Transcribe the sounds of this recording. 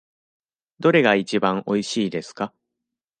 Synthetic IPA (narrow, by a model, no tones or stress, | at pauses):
d̪o̞ɾe̞ɡait͡ɕibãŋo̞iɕiːd̪e̞sɨ̥ka